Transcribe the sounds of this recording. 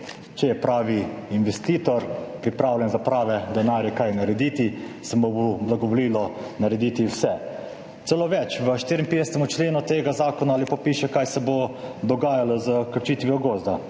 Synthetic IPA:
t͡ʃɛjɛpɾaːʋiinʋɛst̪iːt̪ɔɾpɾipɾaːwlʲjɛnzapɾaːʋɛd̪ɛnaːɾjɛkajnaɾɛd̪iːt̪isɛmoboblaɡɔʋɔliːlɔnaɾɛd̪iːt̪iwsɛ | t̪sɛloːʋɛt͡ʃʋəʃt̪iɾʲɛmped̪ɛsɛt̪ɛmut͡ʃleːnut̪eːɡazaːkɔnaaːlipapiːʃɛkajsɛbod̪ɔɡaːjalɔzəkəɾt͡ʃiːt̪ʋiɔɡoːzd̪a

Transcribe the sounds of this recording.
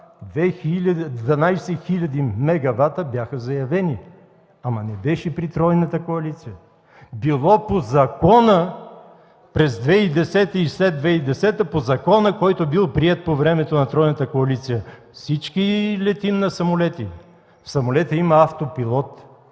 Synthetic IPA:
d̪vɛxilʲɐd̪vɐnajsɛxilʲɐd̪imɛɡɐvat̪əbjaxəzɐjɐvɛni | amɐnɛbɛʃɛpɾit̪ɾɔjnɐt̪əkoɐlit̪sijə | bilˠɔpozɐkɔnə | pɾɛzd̪vɛid̪ɛsɛt̪əislɛd̪vɛid̪ɛsɛt̪əpozɐkɔnəkɔjt̪obilˠpɾiɛt̪̚povɾɛmɛt̪onɐt̪ɾɔjnət̪əkoɐlit̪sijəfsit͡ʃkilɛt̪imnɐsɐmolɛt̪i | fsɐmolɛt̪əimɐaft̪opilˠɔt̪

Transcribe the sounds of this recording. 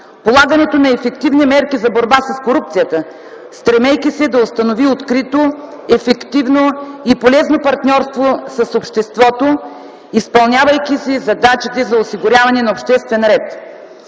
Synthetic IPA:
polˠaɡɐnɛt̪onɐɛfɛkt̪ivnimɛɾkizɐboɾbasɐskoɾup̚t̪sijət̪ə | st̪ɾɛmɛjkʲisɛd̪ɐost̪ɐnoviot̪kɾit̪o | ɛfɛkt̪ivnoipolɛznopɐɾt̪nʲɔɾst̪vosɐsopʃt̪ɛst̪vɔt̪o | ispɐlˠnʲavɐjkisɛzɐd̪at͡ʃət̪ɛzɐosiɡʊɾʲjavɐnɛnɐopʃt̪ɛst̪vɛnɾɛt̪

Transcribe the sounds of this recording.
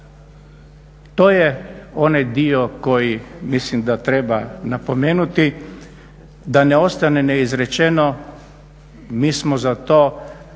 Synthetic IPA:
t̪oːjeo̞najd̪ioko̞jimislimd̪at̪ɾebanapo̞meːnut̪i | d̪aneo̞st̪aneneizɾet͡ʃeno | miːsmozat̪oː

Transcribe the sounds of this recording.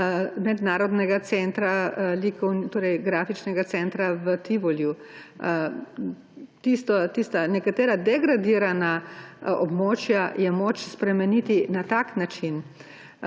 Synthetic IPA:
mɛd̪naːɾɔd̪nɛɡat̪sɛnt̪ɾalikɔwnt̪oːɾɛjɡɾaːfit͡ʃnɛɡat̪sɛnt̪ɾaʋət̪iʋɔlju | t̪ist̪ɔt̪ist̪anɛkat̪ɛːɾad̪ɛɡɾad̪iɾanaɔ̰bmoːt͡ʃjajɛmoːt͡ʃspɾɛmɛniːt̪inat̪aknat͡ʃin

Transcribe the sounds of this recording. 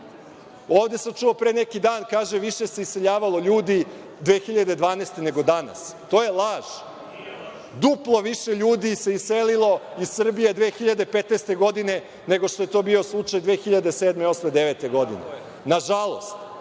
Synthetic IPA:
oːʋd̪e̞samt͡ʃuopɾene̞kid̪aːnkaːʒeʋiʃese̞isse̞ʎaːʋalˠo̞ʎuːd̪i | d̪ʋeːxiʎad̪e̞d̪ʋaːneːst̪e̞ne̞ɡo̞d̪ana̰st̪o̞ːje̞lˠaːʒ̥ | d̪uplˠo̞ʋiʃeʎuːd̪iseisselilˠo̞issr̩bijed̪ʋeːxiʎad̪epet̪nest̪e̞ɡo̞d̪ine̞ | neɡo̞ʃt̪o̞je̞t̪o̞ːbio̞slˠut͡ʂajd̪ʋeːxiʎad̪eseːd̪meo̞smed̪eʋeːt̪e̞ɡo̞d̪ḭnḛ | naʒalˠo̞̰st̪

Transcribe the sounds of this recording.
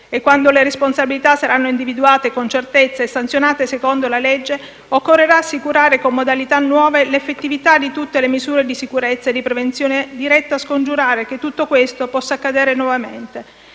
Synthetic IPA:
ekːwand̪oleɾesponsabilit̪asaɾʔanːoind̪ivid̪uaːt̪ekont͡ʃert̪et̪sːaesːant̪sjonaːt̪esekond̪olaled͡ʒːe | okːorːeɾaːsːikuɾaːɾekomːod̪alit̪anːwɔːvelefːet̪ːivit̪ad̪it̪ut̪ːelemizuːɾed̪isikuɾet̪sːaed̪ipɾevent̪sjoːned̪iɾɛt̪ːaːskond͡ʒuɾaːɾek̟et̪ːut̪ːokwest̪opɔsːakːad̪ɛːɾenwɔvament̪e

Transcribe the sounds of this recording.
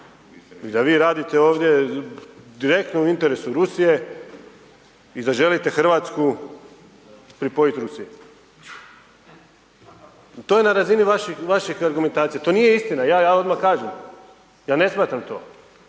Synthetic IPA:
id̪aʋiːɾaːd̪it̪e̞o̞ːʋd̪je̞ | d̪iɾe̞k̚t̪nouint̪e̞ɾesuɾusije̞ | id̪aʒe̞lit̪e̞xr̩ʋat̪sku | pɾipojit̪ɾusije | t̪ojenaɾaziniʋaʃixʋaʃixaɾɡume̞nt̪aːt̪sijat̪onijeist̪inajaːjaːo̞d̪makaːʒem | jaːne̞smaːt̪ɾamt̪o̞̰ː

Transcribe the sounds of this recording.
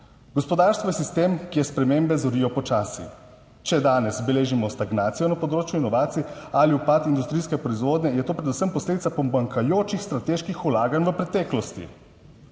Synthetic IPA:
ɡɔspɔd̪aːɾst̪ʋɔjɛsist̪eːmkjɛspɾɛmeːmbɛzɔɾiːɔpɔt͡ʃaːsḭ | t͡ʃɛd̪aːnɛsbɛleːʒimɔst̪aɡnaːt̪sijɔnapɔd̪ɾoːt͡ʃjuinɔʋaːt̪siɛaliupat̪ind̪ust̪ɾijskɛpɾɔizʋoːd̪nʲɛjɛt̪oːpɾɛd̪usəmpɔsleːd̪it̪apɔmaŋkʰajoːt͡ʃixst̪ɾat̪eʃkixulaːɡanʋəpɾɛt̪ɛːklɔst̪ḭ

